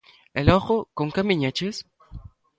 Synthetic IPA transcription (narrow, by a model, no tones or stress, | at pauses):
elɔχokoŋkamiɲat͡ʃes